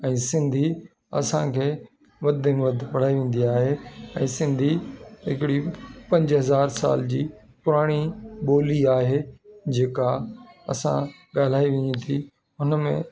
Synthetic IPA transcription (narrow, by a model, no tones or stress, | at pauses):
ɛ̃ːsɪ̃nd̪ʱi | ɐ̰sãkʰeː | ʋɐd̪ʱɪmʋɐd̪ʱpɐɽ̤aːiʋẽːn̆d̪iaːɦeɛ̰̃ːsɪ̃nd̪ʱiɦɪkɪɽipɐ̃ɲd͡ʑɦɐzaːɾsa̰ːld͡ʑiː | pʊɾaːɽ̃iɓoːliaːɦeːd͡ʑeːkaɐ̰sã̰ | ɠaːl̤aːiʋẽɲĩt̪ʰi | ɦʊnəmḛ̃